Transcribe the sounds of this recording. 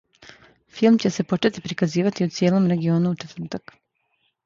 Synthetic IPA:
filˠmt͡ɕe̞se̞po̞t͡ʃe̞t̪ipɾikaziːʋat̪iut̪sjeːlˠo̞mɾe̞ɡio̞ːnuut͡ʃe̞t̪vr̩t̪ak

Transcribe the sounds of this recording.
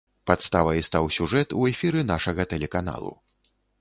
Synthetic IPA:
pat̪st̪avɐjist̪awsʲuʐɛt̪uɛfʲiɾɨnaʂɐɣɐt̪ɛlʲɛkan̪a̰lˠṵ

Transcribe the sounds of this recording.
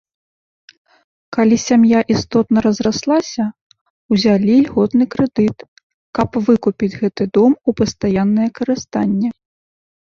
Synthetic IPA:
kalʲisʲamjaʔist̪ɔt̪nɐɾɐzraslˠasʲɐ | wzʲalʲilʲɣɔt̪nɨkɾɛd̪ɨt̪ | kɐpvɨkupʲid͡zʲɣɛt̪ɨd̪ɔmupɐst̪ajanːɐjɛkɐɾɨst̪anʲːɛ

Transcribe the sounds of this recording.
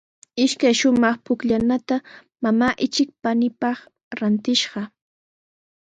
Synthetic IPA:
ɪʃkajʃʊmɑχpʊkʎanat̪a | mamaːʔɪt͡ʃɪk̚panɪpɑχ | ɾant̪ɪʃɢɑ

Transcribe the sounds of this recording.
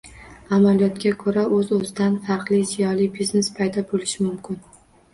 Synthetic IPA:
amalijɒt̪kʲakʰɵɾaʔɵzɵzɪd̪anfɑɾqlˠizijɒlibiznespʰajd̪ɒbolɪʃɪmʊmkʲʰɪn

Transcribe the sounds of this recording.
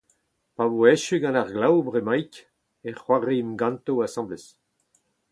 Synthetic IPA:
pavoɛʃyɡɑ̃naʁɡlawbʁemajk | ɛχwaʁemɡɑ̃nt̪oasɑ̃bles

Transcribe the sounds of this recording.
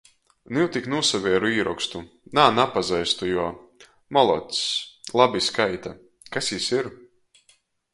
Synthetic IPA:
niwt̪ʲiknusavʲiɛɾuiːɾɔkst̪u | naːnapazɛjst̪ujuɔ | mɔlˠɔ̰t̪slˠabiskajt̪a | kasjisiɾ

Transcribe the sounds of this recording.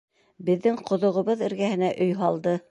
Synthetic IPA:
bɘ̆ðːɘŋqŏðŏʁɤ̆βɤðɘ̆ɾɡæhɘ̆næʔɵjɦɑlˠd̪ɤ

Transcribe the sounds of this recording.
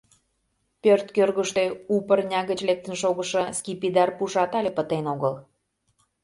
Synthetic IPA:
pørt̪kørɣəʃt̪eupərnʲɑɣət͡ɕlek̚t̪ə̆nʃoɣə̆ʃɑskʲipid̪ɑrpuʒɑt̪ɑlʲepət̪enoɣəl

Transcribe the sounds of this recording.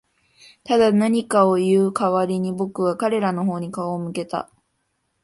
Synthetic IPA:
t̪ad̪anaɲ̟ikao̞jɯːkaβaɾʲiɲ̟ibo̞kɯβakaɾe̞ɾano̞ɦo̞ːɲ̟ikaoːmɯ̟ke̞t̪a̰

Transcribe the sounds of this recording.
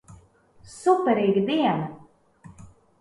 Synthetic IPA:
supɛɾiːɡid̪iɛna

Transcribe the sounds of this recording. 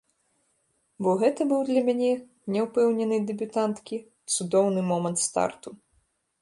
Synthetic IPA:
bɔɣɛt̪ɐbɨwd̪lʲɐmʲanʲɛ | nʲɛwpɛwnʲɛnɨd̪ɛbʲut̪ant̪kʲi | t̪sud̪ɔwnɨmɔmɐnt̪st̪a̰rt̪u

